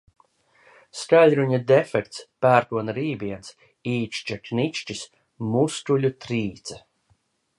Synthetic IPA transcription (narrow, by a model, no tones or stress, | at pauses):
skalʲɾuɲad̪efɛkt̪spæːɾk̪uɔnaɾiːbiɛns | iːt͡ʃt͡ʃaknit͡ʃt͡ʃis | must̪ulʲut̪ɾiːt̪sa